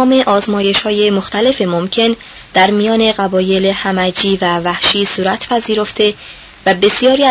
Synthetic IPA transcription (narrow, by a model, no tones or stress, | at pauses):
me̞ʔɒːzmɒːje̞ʃhɒːje̞moxt̪ʰæle̞femomcʰe̞n | d̪̥æɾmijɒːne̞ɢæbɒːje̞lehæmæd͡ʒiːvævæhʃiːsuːɾæt̪ʰpʰæziːɾo̞ft̪ʰe̞ | væbe̞sijɒːɾiː